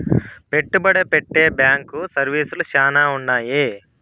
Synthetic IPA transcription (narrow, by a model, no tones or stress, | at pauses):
pe̞ʈːubɐɽepeʈːeːbjaːŋkusɐɾʋiːsulut͡ʃaːnaːuɳːaːji